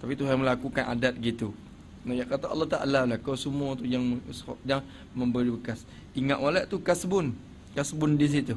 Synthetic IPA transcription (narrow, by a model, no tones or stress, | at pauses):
t̪apit̪uɦajməlakukanʔa̰dat̪̚ɡit̪u | najaʔkat̪aʔɑ̰lːɔht̪aʔa̰lalahkawsəmuat̪ujaŋsɔ̰jaŋ | məmbəɾibəkas | iŋaʔ̪walaʔt̪ukasbʊn | kasbʊndis̬it̪u